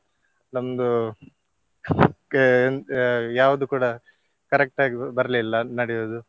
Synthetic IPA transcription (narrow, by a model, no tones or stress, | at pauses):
nɐmɐd̪u | njaːʋɐd̪ukuːɽɐ | kɐɾek̚ʈaːɡibɐɾɐlilːɐnɐɽɛjoːd̪u